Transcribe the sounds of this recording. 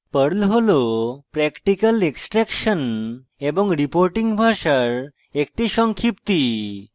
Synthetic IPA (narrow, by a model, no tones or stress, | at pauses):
pəɽlɦolopɾɛkʈikəleksʈɾɛkɕən | ebəŋɡɾipoɾʈĩŋɡbʱaɕəɾ | ek̚ʈiɕɔŋkʰip̚t̪i